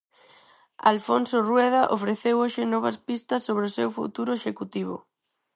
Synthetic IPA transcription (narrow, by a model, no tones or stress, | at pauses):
a̰lfonsorwɛð̞ɐʔofɾeθewoʃɪnɔβɐspist̪ɐsːoβɾeosewfṵt̪uɾʊeʃekut̪iβ̞ʊ̰